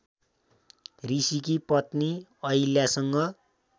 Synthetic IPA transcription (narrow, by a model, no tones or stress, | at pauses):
risikipʌt̪niʌjljasʌŋɡʌ